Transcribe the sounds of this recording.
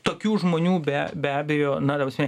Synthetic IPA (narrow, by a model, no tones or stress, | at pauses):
t̪oːkʲuːʒmoːnʲuːbʲæbʲæːbʲɛjoːnɐd̪ɐbɐsmʲɛnʲɛ